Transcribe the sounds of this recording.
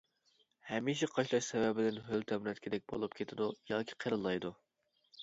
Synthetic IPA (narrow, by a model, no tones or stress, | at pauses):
hɛmiʃ̬ɛqʰɑʃlˠɑʃsɛwɛbɪd̪ɪnɦølt̪ʰɛmnɛt̪kʲʰɪd̪ɛk̚ʲbo̰lˠupkʲʰet̪ʰɪd̪ujɑːkʲʰi̥qʰəɾɨlˠːɑjd̪u